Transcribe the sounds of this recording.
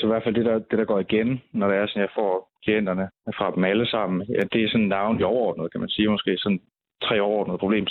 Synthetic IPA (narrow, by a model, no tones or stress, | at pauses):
sɒ̽ʋæɐfæl̰d̥e̝ɾɑ̈d̥e̝ɾ̥ɑ̈ɡ̥ɒ̰ːiɡ̥enːɒɾ̥eæɐsɒ̽njɑ̈ɪfɒ̰ːkʰlien̰d̥ɐnəfʁɑ̈b̥m̩æləsɑ̈m̰n̩jæd̥e̝æsɒ̽nnːɑ̈ʊniɒʊɐɒ̰ːd̥̚nəð̞̩ˠkʰæmænsiːmɒ̽sɡ̥e̝̰ːsɒ̽n | t͡sʰʁɛ̰ːɒʊɐɒ̰ːd̥nəðˠpʰob̥lḛːm